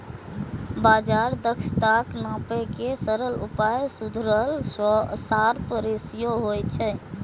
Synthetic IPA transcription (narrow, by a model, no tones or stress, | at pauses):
bad͡ʒaɾd̪əkst̪aknãpɛkesəɾəlṵpajsud̪ʱɾəlsaɾpəɾesijoɦojt͡ʃʰɛ